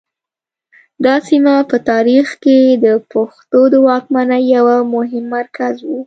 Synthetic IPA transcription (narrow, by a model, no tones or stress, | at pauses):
d̪ɑsimapət̪ɑɾixked̪əpoxt̪od̪əwɑk̚manajawamʊɦɪmːaɾkazwu